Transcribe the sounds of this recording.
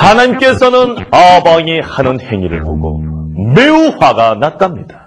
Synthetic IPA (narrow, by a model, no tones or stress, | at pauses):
hanaɲimk͈e̞sʰʌnɯnʌbaŋihanɯnhe̞ŋiɾɯ̰ɭɦo̰ɡo̰me̞uɸwaɡanat̚t͈amɲid̥ḁ